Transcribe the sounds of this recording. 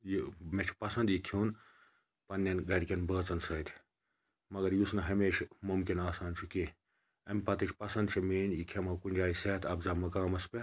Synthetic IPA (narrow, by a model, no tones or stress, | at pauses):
jimet͡ʃʰpɐsɐnd̪jik̪ʰuːn | pɐnːɐnɡɐɾʲkʲɐnbəːt͡sɐnsɐːt̪ʰʲ | mɐɡɐɾjusnɐɦɐmeːʃmumkinaːsaːnt͡ʃʰuki | ɐmʲpɐt̪it͡ʃʰʲpɐsɐnd̪t͡ʃʰimeːnjikʰemɐkunʲd͡ʒʲaːjiseːt̪ʰɐbzaːmɐkaːmɐspʲe